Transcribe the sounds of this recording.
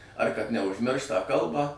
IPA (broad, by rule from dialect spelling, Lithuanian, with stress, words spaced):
ɐr kɐt nʲɛʊʒʲˈmʲɪrʃt tɑː ˈkɐlˠbɑː